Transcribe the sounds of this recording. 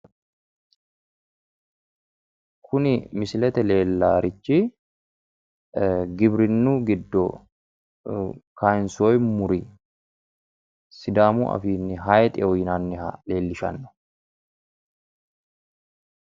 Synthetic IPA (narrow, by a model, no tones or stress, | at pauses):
kʰʊnɪmɪsɪlɛt̪ɛle̞ːlːaːɾɪt͡ʃːi | ɡɪbɾɪnːuːɡɪd̪ːɔ | kajɪnsɔjmʊɾɪ | sɪd̪aːmṵʔɐ̰fiːnːɪɦajt̪ʼɪɔjɪnɐnːɪle̞ːlːɪʃɐ̰nːɔ̥